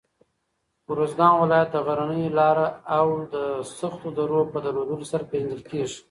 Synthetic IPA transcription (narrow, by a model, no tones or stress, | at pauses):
wɾozɡɑnwɪlɑjat̪̚d̪əɣaɾanəjlɑɾaawd̪əsaxt̪od̪aɾopəd̪aɾod̪əlosaɾapeʒand̪əlkeʐi̥